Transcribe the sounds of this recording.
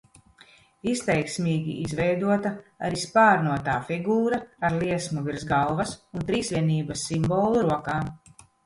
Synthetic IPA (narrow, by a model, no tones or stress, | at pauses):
ist̪ɛjksmiːɡʲḭʔizvɛjd̪uɔt̪aa̰ɾispaːɾnuɔt̪aːfiɡuːɾaːɾliɛsmuviɾzɡalˠvɐsunt̪ɾiːsviɛniːbɐsːimboːlˠuɾuɔkaː